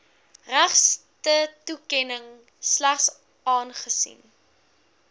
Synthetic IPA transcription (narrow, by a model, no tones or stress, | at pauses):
ræχstətukɛnəŋ | slæχs | ɑːnχəsḭn